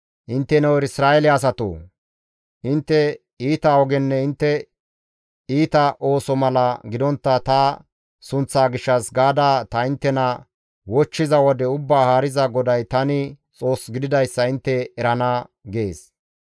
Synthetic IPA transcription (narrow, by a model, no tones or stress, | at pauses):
ʔɪnt̪ːɛnɛwɛɾɪsɾaːɛlɪɐs̬ɐt̪o̰ː | ʔɪnt̪ːɛ | iːt̪aɔɡɛnːɛɪnt̪ːɛ | iːt̪ɐʔo̞ːsɔmɐlɐɡɪd̪ɔnt̪ːɐt̪ɐ | sʊnt͡sːaːɡɪʃːɐsɡaːd̪aːt̪ɐɪnt̪ːɛnɐ | wɔt͡ʃːɪzɐwɔd̪ɛʊbːaːhaːɾɪzɐɡɔd̪ɐjt̪ɐnɪ | t͡sʼo̞ːsɡɪd̪ɪd̪ɐjsːɐɪnt̪ːɛːɾɐnɐɡe̞ːs